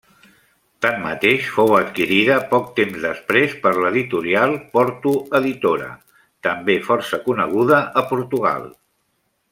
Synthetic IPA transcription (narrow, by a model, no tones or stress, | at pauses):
t̪amːə̰t̪eʃfowət̪kiɾiðəpɔk̚t̪emzðəspɾespəɾləðit̪uɾialˠpɔɾt̪uəðit̪oɾə̰ | t̪əmbefɔɾsəkunəɣ̞uðəʔəpuɾt̪uɣ̞a̰lˠ